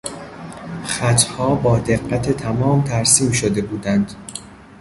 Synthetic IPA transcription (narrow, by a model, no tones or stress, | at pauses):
χæt̪ʰhɒːbɒːd̪eɡːæt̪ʰe̞t̪ʰæmɒːmt̪ʰæɾsiːmʃod̪e̞buːd̪ænd̪̥